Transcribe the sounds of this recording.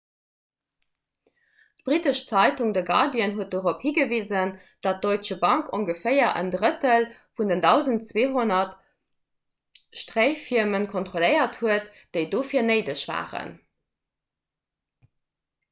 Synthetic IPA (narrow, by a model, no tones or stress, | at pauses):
tb̥ʁitəʃt͡sɑɪtuŋdəɡɑ̰diənɦuət̚doʁophiːɡəviːzən | d̥ɑt̚d̥oɪt͡ʃəbɑŋkʰoŋɡəfəɪɐʔə̰ndʁətəlfundəndɑʊzəntt͡sweːɦonɐt | ʃtʁeɪfiɐmənkʰontχoləɪɐthuət | d̥eɪdoːfiːɐnəɪdəɕv̥a̰ːʁə̰n